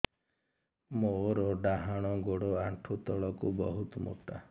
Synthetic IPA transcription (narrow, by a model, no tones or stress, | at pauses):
moɾɔɖaɦaɽ̃ɔɡoɽɔaɳʈʰut̪ɔɭɔkubɔɦut̪ɔmo̰ʈa